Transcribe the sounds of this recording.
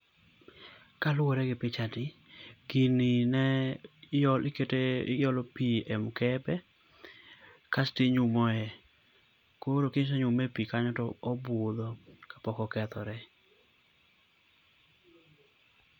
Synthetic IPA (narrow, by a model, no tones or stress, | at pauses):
kalʊwoɾɛɡɪpɪt͡ʃatɪɡininɛjɔlɪketejɔlɔpiɛmkɛpɛ | kastiɲʊmɔɛ | koɾokɪɲs̬ɛɲʊmepikaɲɔtɔːbod̪ɔkḁpɔkɔkɛt̪ɔɾɛ